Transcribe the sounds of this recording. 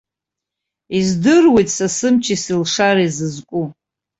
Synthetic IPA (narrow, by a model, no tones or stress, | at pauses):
izdɨrwejtʼsasɨmt͡ʃʰisilʂaɾaizɨzkʷʼu